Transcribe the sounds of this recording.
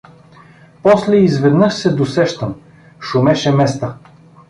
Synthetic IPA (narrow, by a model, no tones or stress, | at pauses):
pɔslɛizvɛd̪nɤʃsɛd̪osɛʃt̪əm | ʃʊmɛʃɛmɛst̪ə